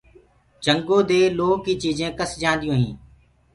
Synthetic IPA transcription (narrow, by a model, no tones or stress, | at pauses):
d͡ʒʱəŋɡõːd̪eːloːkiːt͡ʃiːzẽːkəsd͡ʒãːnd̪ɪjõːɦḭ̃ː